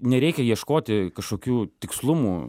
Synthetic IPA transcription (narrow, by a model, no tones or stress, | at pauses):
nʲɛɾʲɛɪkʲɛjiɛʃkoːt̪ʲɪkɐʃkoːkʲuːt̪ʲɪkslˠʊmuː